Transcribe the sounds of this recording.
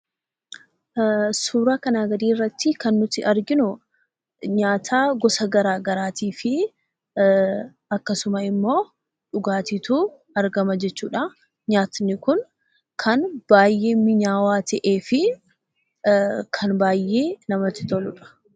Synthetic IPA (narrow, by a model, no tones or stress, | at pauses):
suːɾaːkɐnaːɡɐd̪iːrːɐt̪ːɪkɐnːʊt̪ɪʔɐɾɡɪnʊ | ɲaːt̪ʰaːɡɔsɐɡɐɾaːɡɐɾaːt̪iːfɪ | ɐkːɐsʊmɐɪmːo̞ː | ᶑʊɡaːt̪iːt̪uː | ɐɾɡɐmɐd͡ʒɛt͡ʃːuːᶑɐ | ɲaːt̪nɪkʊn | kʰɐnb̥aːjːe̞ːmɪɲaːwaːt̪ɛʔeːfɪ | kʰɐnbaːjːeːnɐmɐt̪ɪ̥t̪ɔlʊᶑɐ̥